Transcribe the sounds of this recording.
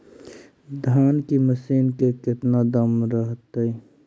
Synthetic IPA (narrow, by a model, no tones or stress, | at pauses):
d̪ʱaːnkiməsiːnkekɪt̪nad̪əmɾəɦt̪əi